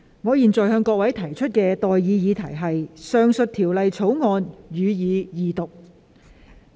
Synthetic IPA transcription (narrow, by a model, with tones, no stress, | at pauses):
ŋɔː˨˧jiː˨nt͡sɔː˨jɦœː˧ŋkɔː˧k̚wɐ˨˥jt̪ʰɐ˨˩jt͡ʃʰɵ˥t̚kɛː˧t̪ɔː˨jjiː˨˧jiː˨˧t̪ʰɐ˨˩jɦɐ˨jsœː˨˧ŋsɵ˨t̚t̪ʰiː˨˩wlɐ˨jt͡sʰo˨˥wŋɔː˧njyː˨˧jiː˨˧jiː˨˧t̪ʊ˨k̚